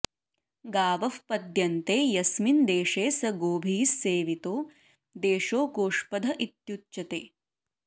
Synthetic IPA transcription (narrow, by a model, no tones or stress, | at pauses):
ɡaːʋɐfpɐd̪jɐnt̪eːjɐsmind̪eːʂeːsɐɡoːbʱiːsːeːʋit̪oː | d̪eːʃoːkoːʂpɐd̪ʱɐʔit̪jutːt͡ʃɐt̪eː